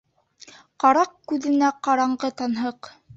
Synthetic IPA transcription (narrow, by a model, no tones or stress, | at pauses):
qɑɾɑq̚kʉðɘ̆næqɑɾɑɴɢɤt̪ɑnɦɤq